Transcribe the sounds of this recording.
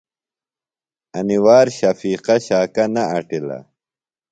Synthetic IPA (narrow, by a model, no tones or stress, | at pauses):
ɐniwaːɾɕɐfiːqɐɕaːkɐnɐɐʈilɐ̰